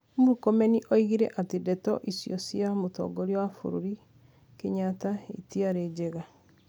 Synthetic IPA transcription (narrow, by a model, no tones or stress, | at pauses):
moɾukɔmɛniʔɔiɣiɾɛ̰ʔatedɛtɔ̰ʔisjɔsiamotɔ̰ɡɔɾiwafo̰ɾoɾi | keɲataitiaɾed͡ʒeɣa